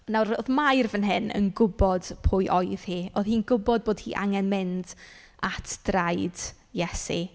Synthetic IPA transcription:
nawɾoðmajrvənɦɪnə̰nɡʊbɔd̥pʰʊjʔɔjð̥hiːoːðhiːnɡʊbɔd̚boːd̥̚hḭːʔa̰ŋɛnmɪnd | atʰd̥rajd̥ | jɛsḭ

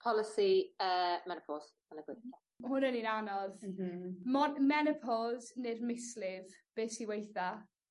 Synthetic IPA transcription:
pʰɔlɪsiəmɛnɪpʰɔlˠz | anəɡwɪa | hʊnəninanɔð | mɔmɛnɪpʰɔlzneːdmɪslɪvb̥eːsiwejθa

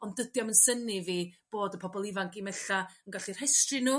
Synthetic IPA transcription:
ɔndədjɔmənsəniviːb̥oːdəpʰɔbɔlˠɪvaŋkimɛɬaənɡaɬir̥hajstrɨnuː

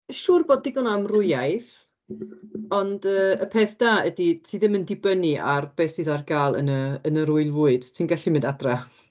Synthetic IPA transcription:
ʃuːrboːd̚dɪɡɔnamrʊjajθ | ɔndəːəpʰeːθd̥aːəditʰiːðɪməndɪbəniʔa̰rb̥eːsiðarɡaːlˠə̰nəənəɾʊɨlˠvʊːɨd̥tʰinɡɛɬimɪ̃ndadra

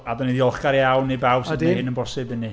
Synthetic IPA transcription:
adɔniðiɔlˠχɡ̥aɾjawnːibawsdhɪnənbɔsɪbɨnːi

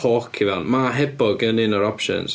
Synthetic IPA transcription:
oːkʰivɛnmaɦɛbɔɡənɪnɔɾɔpʃə̰ns

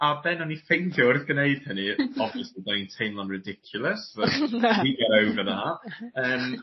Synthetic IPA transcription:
abɛnɔnifejndjorθɡəneɨd̥̚hənɨɔbviəslidanintʰenlˠanrɪdɪkʰjʊlˠəsəiɡɛɾəwvənaəːm

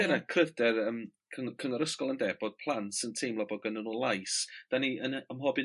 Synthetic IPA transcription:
ɛnakʰrədɛrəmkʰəkʰəŋɔɾəskɔlˠəndɛb̥ɔd̥̚pʰlˠantsəntʰejmlˠɔboɡənənulˠajsd̥aniənəmɦɔbɨ

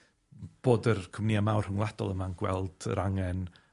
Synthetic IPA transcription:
b̥oːdərkʰʊmniamawr̥hʊŋlˠad̥ɔ̰lˠəmanɡ̥wɛ̰lˠd̥ə̰ɾaŋɛn

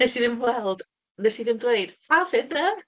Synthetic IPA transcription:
ɛsiðɪmwɛlˠd̥ | nɛsiðɪmdwejd̥avɪnːə

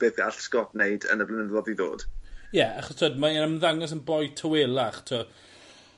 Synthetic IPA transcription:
b̥eːðɡa̰ɬskɔtnejdə̰nəblˠənəɔðiðo̰ːd̥jɛaχɔstʰoːdmaɛnəmənðaŋɔs̬ənbɔjtʰəwelˠaχtʰo

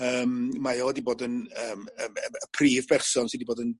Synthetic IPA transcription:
əːmmajowɛdiboːdənəːməəəpʰriːvpʰɛrsɔnsiːdiboːdən

